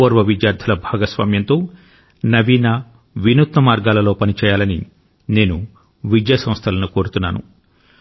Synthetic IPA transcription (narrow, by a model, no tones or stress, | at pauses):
oːɾʋɐʋid̪jaːɾd̪ʱɐlɐbʱaːɡɐsʋa̰ːmjɐnt̪o̞ː | nɐʋiːna | ʋinut̪nɐmaːɾɡaːlɐlo̞ːpɐnit͡ʃɛːjaːlɐnḭ | ne̞ːnu | ʋid͡ʒjɐsɐ̃mst̪ʰɐlɐnuko̞ːɾut̪unːa̰ːnṵ